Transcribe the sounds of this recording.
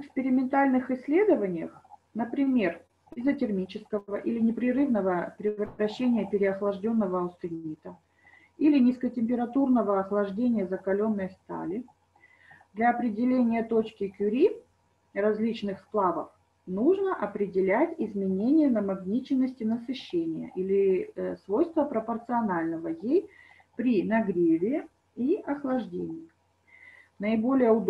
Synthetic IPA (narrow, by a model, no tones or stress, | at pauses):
vɪkspʲɪɾʲɪmʲɪnt̪alʲnɨxɪsʲːlʲe̞d̪əvənʲɪjə̰xnəpɾʲɪmʲe̞r | ɪzətʲɪrmʲit͡ɕɪskəvəʔilʲɪnʲɪpɾʲɪɾɨvnəvəpɾʲɪvɾɐɕːenʲɪjəpʲɪɾʲɪɐxlˠɐʐdʲo̞nːəvəːst̪ɨnʲit̪ə | ilʲɪnʲɪskətʲɪmʲpʲɪɾɐt̪urnəvəɐxlˠɐʐdʲenʲɪjəzəkɐlʲo̞nːəjəst̪a̰lʲɪ | d̪lʲɐːpɾʲɪdʲɪlʲenʲɪjət̪ot͡ɕkʲɪkʲʊɾʲi | rɐzʲlʲit͡ɕnɨxsplˠavəf | nuʐnəʔɐpɾʲɪdʲɪlʲætʲɪzmʲɪnʲenʲɪjənəmɐɡnʲit͡ɕɪnːəsʲtʲɪnəsɨɕːenʲɪjə̰ʔilʲɪsvojst̪vəpɾəpərt̪sɨɐnalʲnəvəjej | pɾʲinɐɡɾʲevʲɪ | iɐxlˠɐʐdʲḛnʲɪj | nəɪbo̞lʲɪjəʊd̪